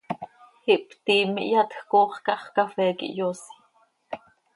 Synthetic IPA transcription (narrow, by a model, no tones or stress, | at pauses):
hiʔpt̪iːmḭʔjɑt̪xkoːχkɑχkɑfɛːkḭʔjosi̥